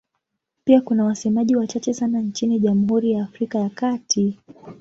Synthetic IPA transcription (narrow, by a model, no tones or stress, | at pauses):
piakunawasɛmaʄiwat͡ʃat͡ʃɛsanant͡ʃiniʄam̩ɦuɾijaːfɾikajakatʰi